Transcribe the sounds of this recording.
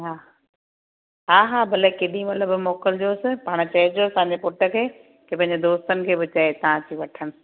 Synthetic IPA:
ɦaː | ɦaːɦaːbʱɐlekeːɗĩmɐt̪ləbmoːkəld͡ʑoːsɪ̆paːɽ̃t͡ɕɐɦɪd͡ʑoɐsãːɲ̆d͡ʑepʊʈə̆kʰeː | kep̬ɐ̃ɪ̃ɲd͡ʑed̪oːst̪ənɪ̆kʰeːbɪt͡ɕɐet̪ɐʋ̤ãtʰiːʋɐʈʰəɽ̃ɪ̆

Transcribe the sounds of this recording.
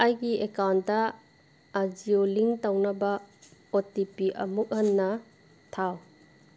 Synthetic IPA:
ɐjɡiekawnt̚dɐː | d͡ʒioliŋtɐwnɐbɐotipiʔɐ̰muk̚hɐnːɐ | tʰaw

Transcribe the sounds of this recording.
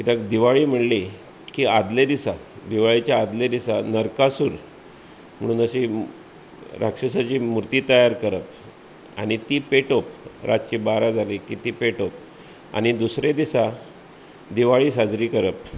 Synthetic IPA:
kit̪akd̪iʋaɭiːm̤əɽle | kiːad̪led̪isa | d̪iʋaɭit͡ɕjaːd̪led̪isanəɾkasuːɾ | m̤əɽ̃uːnəɕe | ɾa̰kʂəsat͡ɕiːmuɾt̪iːt̪əjaɾkəɾəp̚ | a̰ɽ̃it̪iːpeʈop̚ɾa̰t̪t͡ɕibaɾad͡zʱalekit̪iːpeʈop̚ | a̰ñid̪usɾed̪isa | d̪iʋaɭiːsad͡zɾiːkəɾəp̚

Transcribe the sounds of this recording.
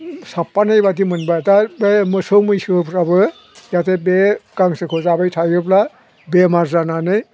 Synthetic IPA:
sapːanɯjbadimɯnbajtabemɯsomɯjsɯpʰɾabɯ | jatebekaŋsɯkʰozabajtʰajɾɯpla | bemaɾzananɯj

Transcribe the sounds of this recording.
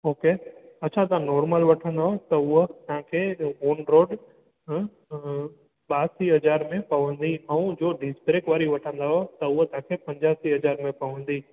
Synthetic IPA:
oːkeːɐt͡ɕʰãt̪ɐãnɔːɾməlʋɐʈʰə̃nd̪aːɦot̪ɐʊɦt̪ɐɦãkʰeoːnɾoːɖ | ɓaːsiɦɐd͡ʑaːɾmẽpɐʋə̃nd̪iɛ̃ũd͡ʑoːɖɪspɾeːkʋaːɾiʋɐʈʰə̃nd̪aːɦot̪ɐʊɦt̪ɐɦãkʰepɐ̃ɲd͡ʑaːsiɦɐd͡ʑaːɾmẽpɐʋə̃nd̪iː

